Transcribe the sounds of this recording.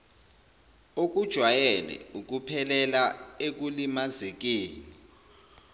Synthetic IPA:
ok̬ud̥ʒ̥ʱwajɛlɛ̰uk̬upʰɛlɛlaek̬ulimazek̬eːni

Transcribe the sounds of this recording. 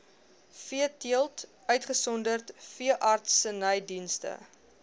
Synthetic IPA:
fiətiəlˠt | œɥtχəsɔndərtfiəʔɐrtsənəjdinstə̰

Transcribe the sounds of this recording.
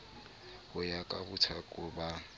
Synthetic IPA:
hʊjakʼabʊtʰakʼʊba

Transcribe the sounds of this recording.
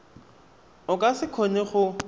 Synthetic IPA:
ʊkʼasɪkʰoneχʊ

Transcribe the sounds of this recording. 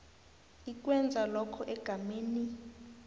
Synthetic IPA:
ik̬ʼwɛnd͡zʱalɔkʰɔʔɛɡ̥ʱameːni

